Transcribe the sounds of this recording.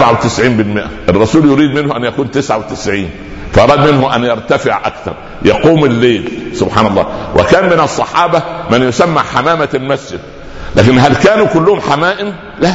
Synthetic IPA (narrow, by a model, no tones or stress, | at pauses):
bʕawt̪ɪsʕiːnbɪlmɪʔæ̰ʔerˤːɑsuːljʊɾiːd̪mɪnhʊʔænjækuːnt̪ɪsʕawt̪ɪsʕiːn | fæʔɑɾˤɑːd̪mɪnɦʊʔænjɑɾˤt̪æfɪʕʔæ̰kt̪ɑ̰ɾˤ | jɑquːmɪlːeːlsʊbħɑːnɑlˤːɑ̰ːwʔḛkæːnmenɑsˤːɑħɑːbɑmænjosæmːæ̰ħamæːmælmæsd͡ʒɪd̪̚ | læ̰ːkɪnɦælkæːnuːkʊlːʊhʊmħamæːʔɪm | læ